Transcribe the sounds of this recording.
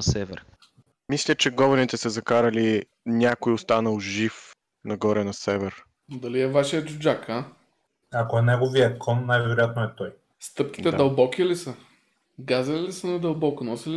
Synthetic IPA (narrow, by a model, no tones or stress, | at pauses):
ɐsɛvɛ̰ɾ | mislʲət͡ʃɛɡɔvɐnit̪ɛsɛzɐkaɾɐli | nʲjakojost̪anɐlˠʒif | nɐɡɔɾɛnɐsɛvɛɾ | d̪ɐliɛvaʃiəd͡ʒʊd͡ʒaka | akoɛnɛɡoviəkʰɔnːajvɛɾojat̪̚noɛt̪ɔj | st̪ɤpkʲi̥d̪ɛd̪ɐlˠbɔkilisə | ɡazɐlilisənɐd̪ɐlˠbɔkʊnɔsili